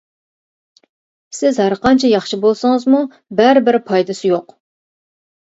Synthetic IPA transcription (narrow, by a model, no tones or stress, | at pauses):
sɪzhæɾqɑnt͡ʃʰɛjɑχʃɪbolˠsɨŋəzmu | bæɾɪbɪɾɪpʰɑjd̪ɨsɪjoq